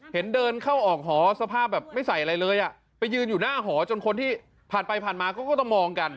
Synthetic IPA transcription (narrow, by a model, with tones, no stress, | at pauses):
he˩˦ndɤː˧nkʰa˥˩wʔɔː˨˩k̚ɦɔː˩˦sa˧pʰaː˥˩p̚bɛː˨˩p̚ma˥˩jsa˨˩jʔa˧ɾa˧jlɤː˧jʔa˨˩ | pa˧jːɯː˧njuː˨˩naː˥˩ɦɔː˩˦t͡ɕo˧nkʰo˧nt̪ʰiː˥˩ | pʰaː˨˩npa˧jpʰaː˨˩nmaː˧kɔː˥˩kɔ˥˩t̪ɔ˥˩ŋmɔː˧ŋka˧n